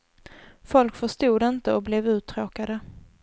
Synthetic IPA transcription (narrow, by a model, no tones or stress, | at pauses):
fɔlkfœʂt̪uːd̪ɪnt̪əɔblɛvʉ̟ːt̪ʰːɾoːkad̪ə